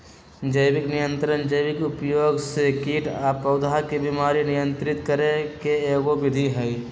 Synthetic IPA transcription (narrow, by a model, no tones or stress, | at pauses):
d͡ʒəjʋɪknɪjə̃nt̪ɾənd͡ʒəjʋɪkʊpjoːɡsekiːʈaːpəʊd̪ʱakebimaːɾinɪjə̃nt̪ɾɪt̪kəɾẽkeeːɡoʋɪd̪ʱiɦɛi